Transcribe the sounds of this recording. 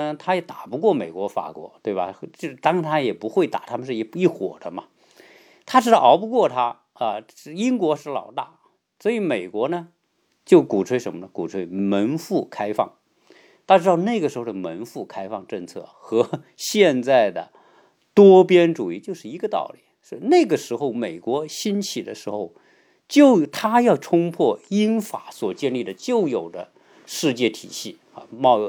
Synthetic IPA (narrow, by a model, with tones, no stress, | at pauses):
t̪ʰa˥jɛ˧˩t̪a˨˩pu˧˥kwɔ˥˩me˨˩ɪkwɔ˧˥fa̰˨˩kwɔ̰˧˥t̪we˥˩ɪbɐ̰˩xt͡ɕo˥˧˩t̪ɑ˥ŋ˥˧t̪ʰa˥jɛ˨˩pu˧˥xwe˥˩ɪt̪a̰˨˩t̪ʰa˥mə˧ʂɻ̩˥˧i˥˩˥i˥˩xwɔ̰˨˩d̪ə˦mɐ˧ | t̪ʰa˥ʈ͡ʂɻ̩˥ɑ˥˧ɑ˧˥ʊpu˧kwɔ˥˩t̪ʰa˥ | ə˧˥˩i˥ŋkwɔ˧˥ʂɻ̩˥˩lɑ̰˨˩ʊt̪a̰˥˩ | swɔ˧˥i˧˥me˨˩ɪkwɔ˧˥nə˧ | t͡ɕjo˥˩ʊku˨˩ʈ͡ʂʰwe˥ɪʂə˧˥nmə˧nə˧˩ku˨˩ʈ͡ʂʰwe˥ɪmə˧˥nfu˥˩kʰa˥ɪfɑ̰˥˩ŋ | t̪ʰa˥ʈ͡ʂɻ̩˥d̪ɑ˥˧ʊna˥˩ɪɡə˩ʂɻ̩˧˥xo˧ʊə˩mə˧˥nfu˥˩kʰa˥ɪfɑ˥˧ŋʈ͡ʂɤ˥˧ŋt͡sʰɤ̰˥˩xɤ˧˥ | ɕjɛ˥˧nt͡sa˥˩ɪd̪ə̰˩ | t̪wɔ˥pjɛ˥nʈ͡ʂu˨˩i˥˧t͡ɕjʊʂɻ̩˥˩i˧˥ɡə˧t̪ɑ̰˥˩ʊli˨˩˦ʂ̩˥˧na˥˩ɡə˩ʂɻ̩˧˥xo˥˧˩ʊme˨˩ɪkwɔ˧˥ɕi˥nt͡ɕʰi˨˩d̪ə̰˦ʂɻ̩˧˥xo˥˧ʊ | t͡ɕjo˥˩ʊt̪ʰa˥jɑ˥˩ʊʈ͡ʂʰʊ˥ŋpʰwɔ˥˩i˥nfa˧˥˦swɔ˨˩t͡ɕjɛ˥˧nli˥˩d̪ə˩t͡ɕjo˥˩ʊjo˨˩ʊd̪ə˦ | ʂɻ̩˥˧t͡ɕjɛ˥˩t̪ʰḭ˨˩ɕi˥˩ | a˧mɑ˥˧ʊ˧